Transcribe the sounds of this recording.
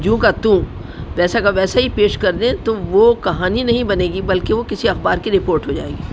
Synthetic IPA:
d͡ʒũːkat̪ũ | ʋɛːsaɡɐbʋɛːsaɦipeːʃkɐɾd̪ẽt̪oʋokɐɦaːninɐɦĩbɐneːɡibɐlkeʋokɪsiɐxbaːɾkiɾɪpoːɾʈɦod͡ʒa̰ːeːɡiː

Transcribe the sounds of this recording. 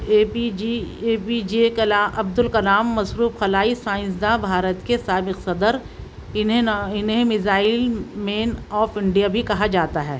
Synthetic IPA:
eːpid͡ʒekɐlaːʔɐb̚d̪ʊlkɐlaːmːɐsɾuːfxɐlaːisãːɪ̃ns̬d̪abʱaːɾət̪kesaːbɪqsɐd̪əɾ | ɪɪnɦẽmɪzaːɪlmeːnɔːfɪ̃ɳɖijabʱikɐɦad͡ʒaːt̪aɦɛː

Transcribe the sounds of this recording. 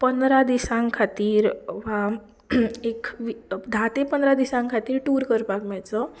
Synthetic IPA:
pənd̪ɾad̪isãŋkʰat̪iːɾʋ̤a | ekʋid̪ʱat̪epənd̪ɾad̪isãŋkʰat̪iːɾʈuːɾkəɾpakmajt͡sə

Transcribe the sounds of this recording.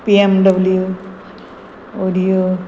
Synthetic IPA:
piemɖɐbɐlju | oɾijo

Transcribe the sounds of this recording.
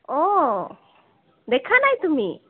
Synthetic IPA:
ɔ | d̪ɛkʰanajt̪umi

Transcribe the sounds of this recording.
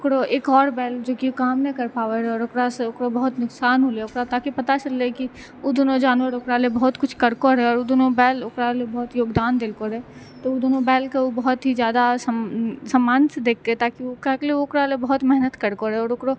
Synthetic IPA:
ʊkɾoʔeːkɔːɾbɛːld͡ʒoːkiokaːmnekɐɾpaːʋəɾɛɔːɾokɾaseokɾobɐɦʊt̪nʊksaːnɦoːleʊkɾat̪aːkipɐt̪at͡ʃɐlːeki | od̪oːnod͡ʒaːnwəɾokɾalebɐɦʊt̪kʊt͡ʃʰkɐɾkoɾɛɔːɾod̪oːnobɛːlokɾalebɐɦʊt̪joːɡd̪aːnd̪elkoɾe | t̪ood̪oːnobɛːlkeobɐɦʊt̪ɦid͡ʒjaːd̪asəsɐmːaːnsd̪eːkʰket̪aːkiokakleoʊkɾalebɐɦʊt̪mɛɦnət̪kəɾkoɾeɔːɾokɾo

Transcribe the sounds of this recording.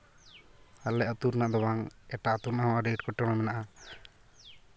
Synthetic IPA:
alɛʔat̪uɾnaʔd̪ɔwaŋɛʈat̪uɾnahɔwaɾeʈkɔʈɛm̃ɛmɛnaʔa

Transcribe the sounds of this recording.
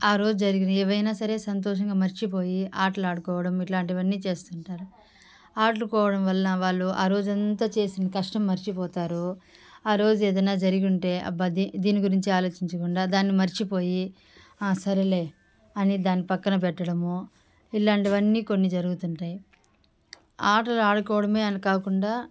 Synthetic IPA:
aːɾo̞ːd͡ʒud͡ʒɐɾiɡinɛːʋɐjnaːsɐɾe̞ːsɐnt̪̬ɔːʂ̬ɐŋɡaːmɐɾt͡ʃipo̞ːjiaːʈlaːɽukɔːʋɐɽɐmiʈlaːɳʈiʋɐnːiːt͡ʃe̞ːst̪uɳʈaːɾu | aːʈlukɔːʋɐɽɐmʋɐlːɐʋaːɭːuʔaːɾo̞ːd͡ʒuɐnt̪at͡ʃe̞ːsind̪ikɐʂʈɐmːɐɾit͡ʃipɔːt̪aːɾu | aːɾo̞ːd͡ʒueːd̪ɐnːaːd͡ʒɐɾiɡuɳʈe̞ːʔɐ̰bɐd̪id̪iːniɡuɾiɲt͡ʃiaːloːt͡ʃiɲt͡ʃɐkuɳɖaːd̪aːnːimɐɾt͡ʃipoːji | aːsɐɾele̞ː | ɐnid̪aːnːipɐkːɐnɐp̬ɛʈːɐɽɐmu | ilaːɳʈiʋɐnːiːko̞nːid͡ʒɐɾuɡut̪uɳʈaːji | aːʈɐluaːɽukɔːʋɐɽɐme̞ːɐnikaːkuɳɖaː

